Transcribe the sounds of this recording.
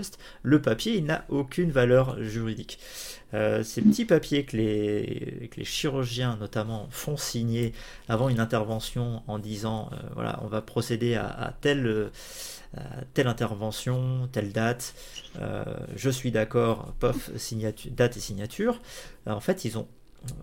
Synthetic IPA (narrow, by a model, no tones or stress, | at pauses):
ɛst̪ | ləpapjeilna̰ʔokʲʰynvalœʁʒyʁid̪ik | øsepət̪ipapjekəle | kəlʔḛʃiʁyʁʒjɛ̃nɔt̪amɑ̃fɔ̃siɲe | avɑ̃ynɛ̃t̪ɛʁvɑ̃sjɔ̃ɑ̃d̪izɑ̃ø̰vwa̰lʔa̰ɔ̰̃vapχɔsed̪ea̰a̰t̪ɛlø | a̰t̪ɛlɛ̃t̪ɛʁvɑ̃sjɔ̃t̪ɛld̪at̪ | ø̰ʒəsɥid̪akɔːʁpɔfsiɲat̪d̪at̪esiɲjat̪ʰyːʁɑ̃fɛt̪ilzɔ̰̃